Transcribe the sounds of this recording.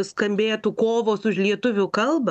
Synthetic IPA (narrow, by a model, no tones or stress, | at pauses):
skɐmʲbʲeːt̪ʊkoːʋoːsʊʃlʲiɛt̪ʊʋʲʊkɐlˠbɐ